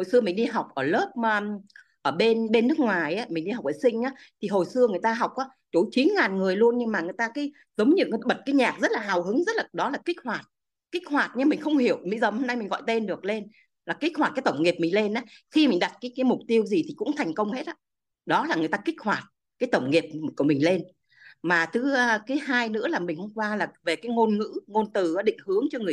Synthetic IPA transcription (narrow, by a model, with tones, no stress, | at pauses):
ho˨˩jsɨ˧əmï˨˩ŋ̟ɗi˧ɦa˨˩wk͡p̚ʔəː˧˩ləː˦˥p̚ː | ʔəː˧˩ɓe˧nɓe˧nːɨ˦˥ək̚ŋwaː˨˩jʔaː˨˦mï˨˩ŋ̟ɗi˧ɦa˨˩wk͡p̚ʔəː˧˩sï˧ŋ̟ʔaː˨˦t̪ʰi˨˩ɦo˨˩jsɨ˧əŋɨ˨˩əjt̪aː˧ɦwk͡p̚ʔaː˨˦ | t͡ɕo˨˦t͡ɕi˨˦nŋaː˨˩nŋɨ˨˩əjlu˧ənɲɨ˧ŋmaː˨˩ŋɨ˨˩əjt̪aː˧kaː˨˦j | zə˨˦wŋ͡mɲɨ̰˧˥ŋ˨˩ɓə˨˩t̚kaː˨˦jɲaː˨˩k̚zə˦˥t̚laː˨˩ɦaː˨˩whɨ˨˦ŋzə˦˥t̚laː˨˩ɗɔ˨˦laː˨˩ki˦˥k̚hwaː˨˩t̚ | ki˦˥k̚hwaː˨˩t̚ɲɨ˧mï˨˩ŋ̟xə˧wŋ͡mhi˧˩əwmḭ˧˥zəː˨˩ho˧mna˧jmi˨˩ŋ̟ɣɔ̰˧˨jt̪e˧nɗɨ˨˩ək̚le˧n | laː˨˩ki˦˥k̚hwaː˨˩t̚kːt̪ə˧˩wŋ͡mŋi˨˩əp̚mï˨˩ŋ̟le˧nʔaː˨˦xi˧mi˨˩ŋ̟ɗa˨˩t̚kaː˨˦kaː˨˦jmʊ˨˩k͡p̚t̪i˧əwzi˨˩t̪ʰi˨˩kʊ̰˧˥ŋ͡mt̪ʰa˨˩jŋ̟kə˧wŋ͡mhe˦˥t̚ʔaː˨˧˦ | ɗɔ˨˦laː˨˩ŋɨ˨˩əjt̪aː˧kï˦˥k̟̚hwaː˨˩t̚ | kaː˨˦jt̪ə˧˩wŋ͡mŋi˨˩əp̚ku˧˩əmï˨˩ŋ̟le˧n | maː˨˩t̪ʰɨː˨˦˧kaː˨˦jhaː˧jnɨ̰˧˥əlaː˨˩mï˨˩ŋ̟hə˧wŋ͡mkwaː˧laː˨˩ve˨˩kaː˨˦jŋo˧nŋɨ̰˧˥ŋo˧nt̪ɨ˨˩˨ɗḭ˧˨ŋ̟hɨ˨˦əŋt͡ɕɔ˧ŋɨ˨˩əj